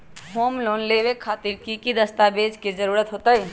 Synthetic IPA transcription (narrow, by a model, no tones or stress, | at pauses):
ɦoːmloːnleʋekʰːaːt̪ɪɾkikid̪əst̪abeːd͡ʒkizəɾuːɾət̪ɦoːt̪aɛ